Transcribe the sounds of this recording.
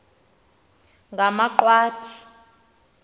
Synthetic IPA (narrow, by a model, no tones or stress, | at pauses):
ŋɡʱamaǃwaːtʰi̥